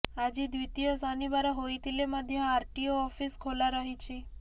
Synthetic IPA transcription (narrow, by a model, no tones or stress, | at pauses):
ad͡ʒid̪ʋit̪ijosɔnibaɾaɦojt̪ʰileməd̪ʱjə̃aɾʈioɔfiskʰolaɾəɦit͡ʃʰe